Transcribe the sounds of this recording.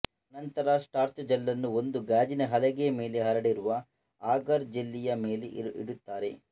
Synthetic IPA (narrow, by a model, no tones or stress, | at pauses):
ɐnɐnt̪ɐɾasʈaːɾt͡ʃɐd͡ʒɐlːɐnːuo̞nd̪uɡaːd͡ʒinɐɦɐlɛɡeme̞ːleɦɐɾɐɽiɾuʋɐ | aːɡɐɾd͡ʒelːijɐme̞ːleḭɽut̪ːaːɾe̞